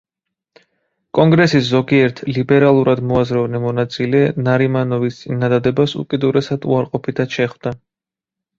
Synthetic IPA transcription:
kʼɔŋɡɾɛsiszɔɡiɛɾt̪ʰlibɛɾalˠuɾʔad̪mɔazɾɛvnɛmɔnat̪sʼilɛnaɾimanɔvist̪sʼinad̪ad̪ɛbasṵkʼid̪uɾɛsad̪uaɾqʼɔpʰit̪ʰad̪ʃɛχvd̪a

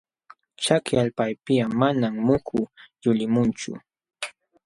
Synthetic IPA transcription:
t͡ʃakjaʎpajpɪjamanammʊkʰʊjʊlɪmʊnt͡ʃʊ̰

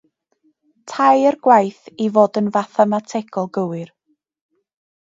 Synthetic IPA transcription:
tʰajərɡ̥wajθivoːdənvaθamatʰɛɡʰɔlˠɡəwɨr

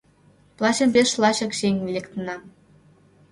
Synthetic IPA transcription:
plˠɑɕembʲeʃlˠɑɕɤ̆kɕeŋʲvelʲekt̪ə̆nɑ

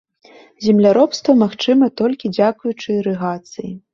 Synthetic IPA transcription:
zʲɛmlʲaɾɔpst̪vɐmaxt͡ʂɨmɐt̪ɔlʲkʲid͡zʲakujut͡ʂɨɾɛɣat̪sɨji

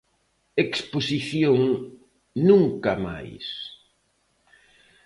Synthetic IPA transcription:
eksposiθjoŋ | nũŋkama̰js

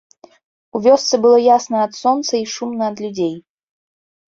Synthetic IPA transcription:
uvʲɔst̪sɨbɨlˠɔjasnɐɐt̪sɔnt̪sɐiʂumnɐːd̪lʲud͡zʲej

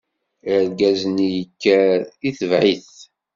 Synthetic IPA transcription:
əɾɡæzənijəkːæiθəvʕiθ

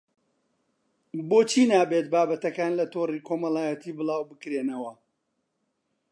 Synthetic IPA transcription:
bot͡ʃʰiːnaːbet̪̚baːbɐt̪ɐkaːnlɐt̪oːriːkʰomɐlaːjɐt̪ʰiːbɨlaːwbɨkɾenɐwɐ

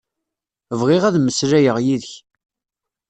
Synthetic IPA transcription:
əvʁɪʁæðməsɾæjəʁjiðəç

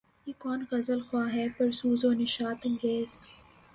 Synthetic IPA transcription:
jeːkɔːnɣɐzəlxwaːɦɛːpɐɾsuːzoːnɪʃaːt̪ɐ̃ŋɡeːz̥

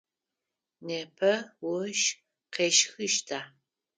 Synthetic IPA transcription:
neːpʰɐwʊʃ | qeːʃxɨʃtʰaː

